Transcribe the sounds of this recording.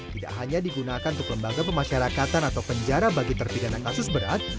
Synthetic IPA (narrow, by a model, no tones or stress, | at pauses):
t̪ida̰ʔɦaɲadiɡunakanunt̪ʊkləmbaɡapəmaʃaɾakat̪anat̪awpəɲd͡ʒaɾabaɡit̪ərpidanakasʊsbəɾa̰t̪̚